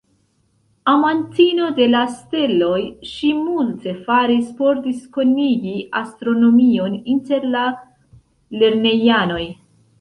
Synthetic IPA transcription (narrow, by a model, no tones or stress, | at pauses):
amantino̞de̞laste̞lo̞jʃimulte̞faɾispo̞ɾdisko̞niɡiʔastɾo̞no̞mio̞ninte̞ɾla | le̞ɾne̞jano̞j